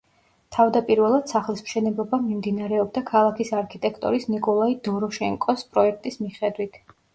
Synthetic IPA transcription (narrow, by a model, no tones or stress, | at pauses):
t̪ʰavd̪apʼiɾvɛlˠad̪̥saχlismʃɛnɛblˠɔbamimd̪inaɾɛɔb̚d̪akʰalˠakʰisaɾkʰit̪ʼɛkʰt̪ʼɔ̰ɾisnikʼɔlˠaid̪ɔɾɔʃɛŋkʼɔspʼɾɔɛk̚ʰt̪ʼismiχɛd̪wit̪ʰ